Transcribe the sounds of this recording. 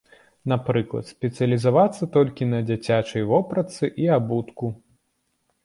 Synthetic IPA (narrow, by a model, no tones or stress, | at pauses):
napɾɨklˠɐ̰t̪sʲpʲɛt̪sɨjɐlʲizavat̪sːɐt̪ɔlʲkʲinɐd͡zʲat͡sʲat͡ʂɐjvɔpɾɐt̪sɨʔiabut̪ku